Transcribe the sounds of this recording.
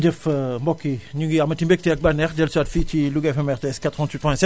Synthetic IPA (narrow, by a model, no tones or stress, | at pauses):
d͡ʒəfmbɔkːiɲuŋɡiaʁmɐtimbɛk̚tiɐk̚banɛʁdɛlsuatfitiluɡɛfɛmɛʁteɛskat̪ʁəvɑ̃nt̪wit̚pwɛ̃sɛt